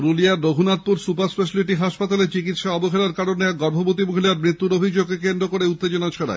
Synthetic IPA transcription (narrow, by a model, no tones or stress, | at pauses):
ɾuliaːoɦunat̪̚puɾsupaɾspeʃ̬aliʈiɦaʃpat̪alet͡ɕikit̪ʃaɔboɦelaɾkaɾonːeaɡɔɾbʱobot̪̬imuɦilaɾmɾit̪ːuɾobʱid͡ʑoɡ̚kekend̪ɾokoɾeut̪ːed͡ʑonat͡ɕʰaɾa̰e